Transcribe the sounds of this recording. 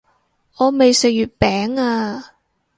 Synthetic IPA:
ɔː˨˧me˨jsɪ˨k̚jyː˨t̚pɛː˨˥ŋaː˧

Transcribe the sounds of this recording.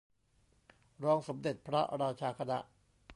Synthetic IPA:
ɾɔː˧ŋso˩˦mde˨˩t̪̚pʰɾa˦˥ɾaː˧t͡ɕʰaː˧kʰa˧na˦˥ʔ

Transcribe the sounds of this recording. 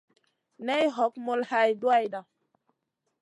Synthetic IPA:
nɛ˦jɦɔ˨˦k̚mo˦lha˦jdu˦a˦jda˨

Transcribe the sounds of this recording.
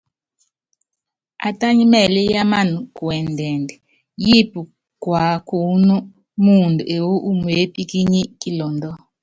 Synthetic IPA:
a̰˨tʼa˦ɲi˦mɛ˨lɛ˦ja˦ma˦˨nu˨ku˨ɛ˨ndʱɛ˨ndɛ˨ | ji˦pu˨ | ɡ̥ʱwa˨kʰu˨˦nu˦ | mu˦˨ndu˨ʔe˨wu˦ʔu˦mu˨e˦pʼi˦kʼi˦ɲi˦kʼi˦lɔ˨ndɔ˦

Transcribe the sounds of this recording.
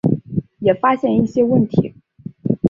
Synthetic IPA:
jɛ˨˩fa˥ɕjɛ˥˧ni˥˩ɕjɛ˥wə˥˩nt̪ʰḭ˧˥

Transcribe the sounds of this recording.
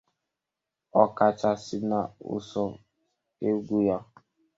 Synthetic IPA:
ɔ˦ka˨t͡ʃa˦si˦na˨ʊ̰˦˨sɔ˦ | e˦ɡʷu˦ja˦

